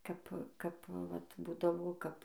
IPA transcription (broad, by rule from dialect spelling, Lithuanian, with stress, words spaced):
ˈkɐp ˈkɐp ʋɐt ˈbuːdɐʋoː ˈkɐp